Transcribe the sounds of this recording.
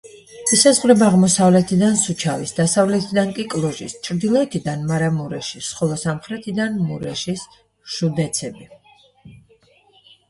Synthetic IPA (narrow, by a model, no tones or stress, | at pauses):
isazʁɾɛbaʁmɔsavlɛt̪ʰid̪ansut͡ʃʰavisd̪asavlɛt̪ʰid̪aŋkʼikʼlˠɔʒḭst͡ʃʰɾd̪ilˠɔɛt̪ʰid̪anmaɾamuɾɛ̰ʃisχɔlˠɔsamχɾɛt̪ʰid̪anmuɾɛʃis | ʃud̪ɛt̪sʰɛbi